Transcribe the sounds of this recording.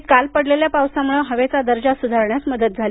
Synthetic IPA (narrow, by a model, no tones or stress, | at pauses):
t̪kalpəɽleljapawsamuɭəɦəʋet͡sad̪əɾd͡ʑasud̪ʱaɾɳjasməd̪ət̪̚d͡zʱal